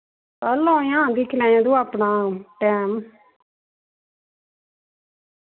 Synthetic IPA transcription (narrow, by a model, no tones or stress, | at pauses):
pəlːõːjãːd̪ɪkʰlɛ̃ːjãːd̪uːapnaːʈɛːm